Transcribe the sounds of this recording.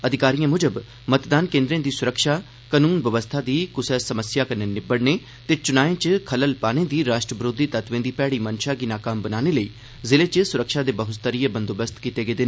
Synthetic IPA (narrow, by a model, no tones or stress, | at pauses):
əd̪ʱɪkaːɾijãːmʊd͡ʒəb | mət̪d̪aːnkẽːnd̪ɾẽːd̪iːsʊɾəkʃaː | kənuːnʋəʋəst̪ʰaːd̪iːkʊsəsəməsjaːkəneːnɪbəɽneː | t̪eːt͡ʃʊnaːẽːt͡ʃkʰələlpaːnẽːd̪iːɾaːʃʈɾəʋɾoːd̪iːt̪ət̪ʋẽːd̪iːpɛːɽiːmənʃaːɡiːnaːkaːmbənaːneːləiː | zɪleːt͡ʃəsʊɾəkʃaːd̪eːbəɦʊt̪t̪ːəɾiːəbənd̪oːbəst̪kiːt̪eːɡeːd̪ɪneː